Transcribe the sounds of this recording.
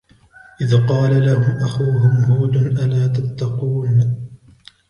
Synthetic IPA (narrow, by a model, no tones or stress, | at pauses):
ʔɪðqɑːlalahʊmʔaxuːɦʊmhuːd̪ʊnʔalaːt̪at̪ːɑquːn